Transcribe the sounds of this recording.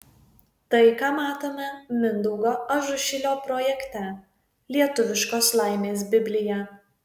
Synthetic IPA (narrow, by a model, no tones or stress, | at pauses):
t̪ɐɪkɑːmɑːt̪oːmʲɛmʲɪnd̪ɔʊɡoːɐʒʊʃʲɪlʲoːpɾɔjɛkt̪ʲɛ | lʲiɛt̪ʊʋʲɪʃkoːslˠɑˑɪmʲeːs̬bʲɪbʲlʲɪjɛ